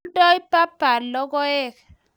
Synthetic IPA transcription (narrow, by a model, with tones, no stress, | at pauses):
dɔ˦i˦pa˦pa˨lɔ˦ɡɔ˦ɛ˦˨k